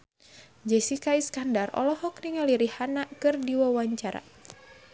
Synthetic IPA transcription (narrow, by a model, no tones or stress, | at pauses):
d͡ʒɛsikaiskandarɔ̰lɔhɔk̚niŋaliɾihanaʔkɨrdiwawaɲt͡ʃaɾa̰